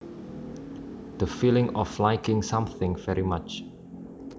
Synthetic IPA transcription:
d̪̥əfilɪ̃ŋɔflaɪkɪ̃ŋsãmθɪ̃ŋvɛɹimat͡ʃ

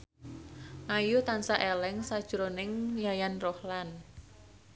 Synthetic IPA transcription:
ʔajut̪ansaʔelɛŋsad̥ʒ̥ɾonɪŋjajanrɔhlan

